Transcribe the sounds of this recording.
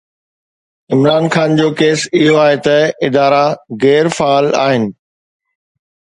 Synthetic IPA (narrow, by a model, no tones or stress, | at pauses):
ɪmɾaːnxaːnd͡ʑoːkeːsɪɦoaːɦet̪ɐɪd̪aːɾaɣɛːɾfaːla̰ːɦɪnɪ̆